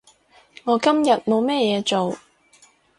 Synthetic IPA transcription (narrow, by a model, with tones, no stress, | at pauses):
ŋɔː˨˧kɐ˥mjɐ˨t̚mo˨˧wmɛː˥jɛː˨˧t͡ʃo˨w